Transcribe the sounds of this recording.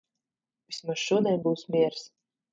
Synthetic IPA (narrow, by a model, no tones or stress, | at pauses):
vismusʃuɔd̪ʲɛnbuːsmʲiɛɾs